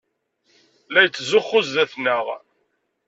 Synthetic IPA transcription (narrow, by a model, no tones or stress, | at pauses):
læjt͡sːzʊχːʊzðæθnəʁ